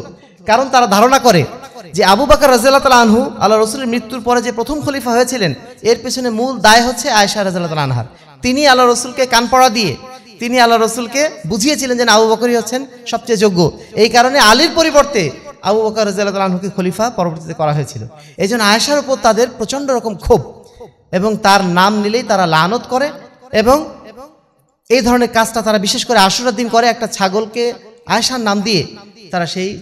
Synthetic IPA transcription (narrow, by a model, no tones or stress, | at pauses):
kaɾont̪aɾad̪ʱaɾonakoɾed͡ʑeabubakaɾːɔzialːat̪alaanɦua̰lːaɾːosuleɾmɾit̪ːuɾpɔɾed͡ʑepɾot̪ʰomkʰolifaɦojet͡ɕʰileneɾpet͡ɕʰonemuld̪aeɦotːɕʰeaeʃaɾɐzalːat̪alaanɦa̰ɾ | t̪inialːaɾosulkekanpɔɽad̪iḛt̪inialːaɾosulkebud͡ʑʱijet͡ɕʰilend͡ʑenabubakoɾiɦotːɕʰen | ʃɔb̚t͡ɕajd͡ʑoɡːoejkaɾonealiɾpoɾiboɾt̪ea̰bubakoɾozialːat̪alalɦokikʰolifapɔɾoboɾt̪it̪ekɔɾaɦoet͡ɕʰilo̰ | ejd͡ʑʱonːoaeʃaɾupoɾt̪ad̪eɾpɾot͡ɕoɳɖoɾɔkomkʰub | eboŋt̪aɾnamnilejt̪aɾalanot̪koɾeeboŋ | ejd̪ʱɔɾoneɾkad͡ʑʈat̪aɾabiʃeʃkoɾeaʃoɾad̪ːinkoɾeɛk̚ʈat͡ɕʰaɡolkea̰eʃaɾnamd̪iet̪aɾaʃej